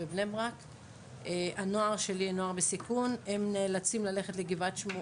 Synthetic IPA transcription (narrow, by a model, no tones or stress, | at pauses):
ebnemʁak | eʔano̞aʁʃe̞lino̞aʁbesikunemneːlat͡simlale̞χetleɡivatʃmo